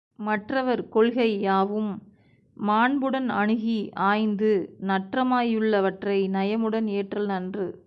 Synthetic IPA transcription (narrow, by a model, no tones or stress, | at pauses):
mɐʈrɐʋɐɾkɔɭɣɐɪaːʋɯmː | aːɳbɯɽɐnɐɳɯɣiʔaːjnd̪ɯnɐʈrɐmaːjɯɭːɐʋɐʈrɐɪnɐjɐmɯɽɐneːʈrɐlnɐndrɯ